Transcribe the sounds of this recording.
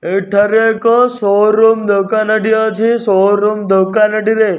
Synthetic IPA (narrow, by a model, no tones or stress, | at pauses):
eʈʰəɾekosoɾumd̪okanəɖijot͡ʃʰisoɾumd̪okanəɖiɾe